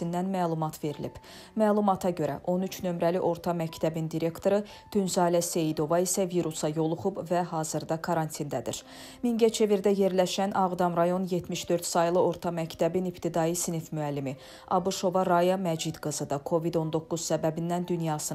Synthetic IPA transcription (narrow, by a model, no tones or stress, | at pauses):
ind̪ænmæːlˠumɑt̪ʰve̞ɾilḭb̥ | mæːlˠumɑt̪ʰɑɟø̞ɾæ̰ʔo̞nyt͡ʃʰnø̞mɾæliʔo̞ɾt̪ʰɑmæct̪ʰæbind̪iɾe̞kt̪ʰo̞ɾɯ | d̪̥ynzɑːlæse̞jid̪o̞vɑisæviɾusɑjo̞lˠuχubvæɦɑːzɯɾd̪ɑkʰɑɾɑnt̪ʰind̪æd̪ḭɾ | miŋɟæt͡ʃʰe̞viɾd̪æje̞ɾlæʃænʔɑʁd̪ɑmɾɑjo̞nje̞t̪ʰmiʃd̪ø̞ɾt̪sɑjlˠɯo̞ɾt̪ʰɑmæct̪ʰæbinipt̪ʰid̪ɑjɯsinifmyælːimi | ʔɑbuʃo̞vɑɾɑjɑmæd͡ʒid̪ɡɯzɯd̪ɑkʰo̞vid̪o̞nd̪o̞kːuz̥sæbæbinːænd̪ynjɑːsɯ